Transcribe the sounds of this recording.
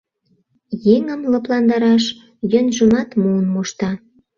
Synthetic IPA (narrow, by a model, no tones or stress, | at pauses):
jeŋəmlɤplɑnd̪ɑɾɑʃ | jønʒə̆mɑt̪muːnmoʃt̪ɑ